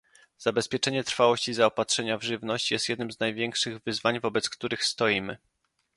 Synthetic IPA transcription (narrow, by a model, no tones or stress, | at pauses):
z̥abɛspʲjɛt͡ʂɛɲɛt̪ɾfawɔɕt͡ɕizaɔpatʂɛɲavʐɘvnɔɕt͡ɕjɛst̪jɛd̪̚nɘmznajvʲjɛŋkʂɘɣvɘzvaɲvɔbɛt̪skt̪uɾɘxst̪ɔjimɘ̰